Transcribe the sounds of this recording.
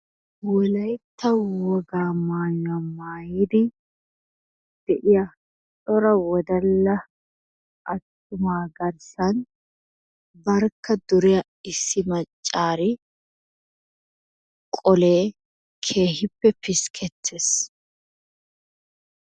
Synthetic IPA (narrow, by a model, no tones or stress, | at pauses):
wɔlɐjt̪ːɐwɔɡaːmaːjʊamaːjid̪ɪ | d̪̥ɛʔɪja | t͡ʃʼɔɾɐwɔd̪ɐlːɐ | ʔɐt̪ːʊmaːɡɐɾsɐn | bɐɾkːɐd̪ʊɾɪjɐ | ɪsːɪmɐt͡ʃʼːaːɾɪ | kʼɔle̞ː | kʰe̞ːhɪpːɛpɪskʰɛt̪ʰːeːs